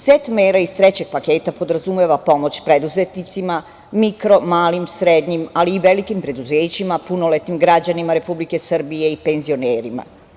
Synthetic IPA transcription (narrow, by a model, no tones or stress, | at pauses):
set̪meːɾaist̪ɾet͡ɕe̞ɡ̥̚pakeːt̪apo̞d̪ɾazumeʋapo̞mo̞t͡ɕpɾed̪uzet̪nit̪sima | mikɾo̞maːlimsɾed̪ɲimaliːʋe̞likimpɾe̞d̪uzeːt͡ɕimapuno̞let̪imɡɾad͡ʑanimaɾe̞publike̞sr̩bije̞ipe̞nzio̞neːɾima̰